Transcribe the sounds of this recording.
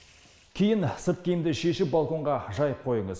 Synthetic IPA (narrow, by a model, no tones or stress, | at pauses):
kʲʰejɪnsɨp̚kʲejɪmd̪ɪʃe̞ʃɪp̚balˠko̞ɴʁɑʒɑjəp̚qʰo̞jəɴəz